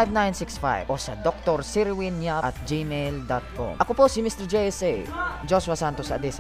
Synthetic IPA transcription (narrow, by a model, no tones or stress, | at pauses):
jvnajnsiksfa̰jvʔosɐd̪ok̚t̪oɾsiɾwinjaʔɐt̪̚d͡ʒimejld̪at̪̚ko̰mʔɐkoposɪmist̪ɛɹd͡ʒɛjɛsejd͡ʒoswasant̪osɐ̰d̪is